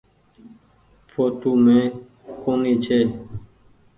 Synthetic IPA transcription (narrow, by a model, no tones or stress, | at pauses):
fʰoːt̪oːmẽː | koːnĩːt͡ʃʰeː